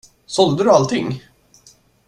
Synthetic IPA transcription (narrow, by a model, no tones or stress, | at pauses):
sɔld̪əd̪ɵalt̪ʰɪŋː